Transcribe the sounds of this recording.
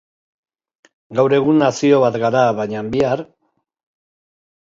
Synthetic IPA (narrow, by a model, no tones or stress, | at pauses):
ɡawɾe̞ɣunːasio̞βat̪ɡaɾaβajɲambiaɾ